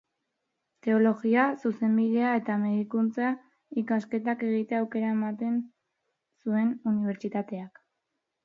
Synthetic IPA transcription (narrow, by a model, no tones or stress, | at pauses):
t̪e̞o̞lo̞ɣiasuse̞mbiðe̞ae̞t̪ame̞ðikunt͡sa | ikaske̞t̪ake̞ɣit̪e̞awke̞ɾaemat̪e̞n | sue̞nuniβ̞e̞ɾt͡ʃit̪at̪e̞ak